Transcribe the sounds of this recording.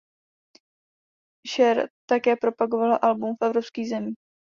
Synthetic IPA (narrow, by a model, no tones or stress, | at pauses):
ʃɛɾt̪akɛːpɾo̞paɡo̞valaʔalbumfʔɛvɾo̞pskiːzɛmiː